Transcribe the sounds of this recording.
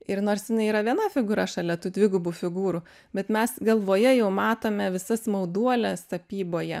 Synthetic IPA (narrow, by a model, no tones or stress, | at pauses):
ɪɾnoːɾsjɪnɐɪiːɾɐʋʲiɛnɐfʲɪɡuːɾɐʃɐlʲɛt̪uːd̪ʲʋʲɪɡʊbuːfʲɪɡuːɾʊ | bʲɛt̪mʲɛsɡɐlˠʋoːjɛjɛʊmɑːt̪oːmʲɛʋʲɪsɐsmɐʊd̪uɔlʲɛsɐpʲiːboːjɛ